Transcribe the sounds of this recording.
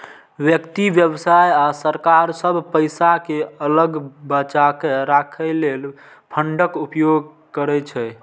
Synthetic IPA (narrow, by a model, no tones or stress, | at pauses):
ʋjəkt̪ibjəbsajasəɾkaɾsəbʱpəjsakeələɡbət͡ʃakeɾakʰəlel | pʰəɳɖəkupjoɡ̚ | kəɾɛt͡ʃʰɛ